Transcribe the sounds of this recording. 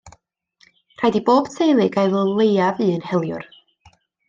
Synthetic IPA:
r̥ajdiboːb̥tʰejlˠɨɡajvəlˠejavɨːənhɛlˠjʊ̰r

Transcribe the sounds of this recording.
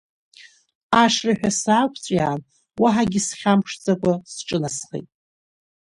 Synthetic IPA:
aʂraħᶣasaːkʷʰt͡sʷʼjaːn | waħaɡʲɪsχʲampʰʂt͡sʼakʷʼasʈ͡ʂʼɨnasχḛjtʼ

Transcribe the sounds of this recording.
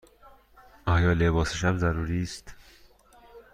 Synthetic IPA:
ɒːjɒːlebɒːseʃæbzæɾuːɾiːst̪

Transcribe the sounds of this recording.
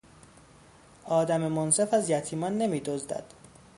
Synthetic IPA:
ɒːd̪æmemonse̞fæzjæt̪ʰiːmɒnːe̞miːd̪ozd̪æ̰d̪̥

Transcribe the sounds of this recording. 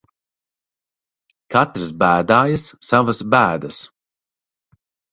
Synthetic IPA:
kat̪ɾɨsbæːd̪aːjɨsːavɨsbæːd̪ɐs

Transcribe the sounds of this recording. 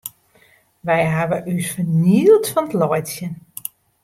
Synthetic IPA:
ʋɛjɦaʋəʔysfəniəlˠtfɔnətlɔjtsjən

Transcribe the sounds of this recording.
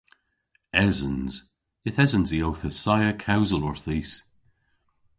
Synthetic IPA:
ɛzə̃nz̥ | ɪθɛzənziowθəsajəkʰawzəlɔɹθiːs

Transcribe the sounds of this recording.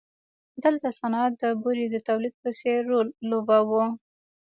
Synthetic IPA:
d̪əlt̪asanɑat̪̚d̪əbuɾid̪ət̪awlid̪̚pəseɾːolːobawu

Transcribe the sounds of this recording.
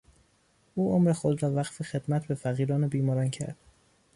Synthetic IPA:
ʔuːʔomɾexod̪ɾɒːvæɢfexe̞d̪̥mæt̪ʰbe̞fæɣiːɾɒːnebiːmɒːɾɒːncʰæ̰ɾd̪̥

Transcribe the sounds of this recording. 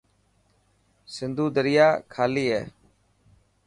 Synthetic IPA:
sɪnd̪ʱuːd̪əɾɪjaːkʰaːliːɦɛː

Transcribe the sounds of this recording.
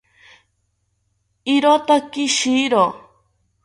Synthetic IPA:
iɾot̪akiʃiɾo

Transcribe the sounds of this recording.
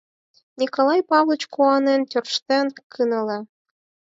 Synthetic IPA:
nʲikolˠɑjpɑβlˠə̆t͡ɕkuɑnent̪ʲørʃt̪enkʰɯnə̆le

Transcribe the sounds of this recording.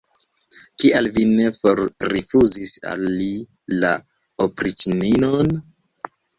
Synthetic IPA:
kiʔalvine̞foɾɾifuzisa̰lːi | la | opɾit͡ʃninon

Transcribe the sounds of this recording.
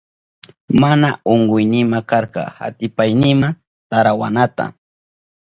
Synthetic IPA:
manaoɴɢʊjnɪmakaɾqɑ̰ha̰t̪ɪpajnɪma | t̪aɾawa̰nat̪a̰

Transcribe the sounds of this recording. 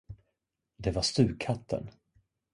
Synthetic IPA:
d̪ɛvaʂt̪ʉ̟ːkʰːat̪ʰːə̰n

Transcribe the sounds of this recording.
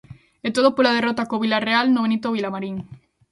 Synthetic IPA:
et̪oðopolað̞erot̪akoβ̞ilarealnoenit̪oβ̞ilamaɾiŋ

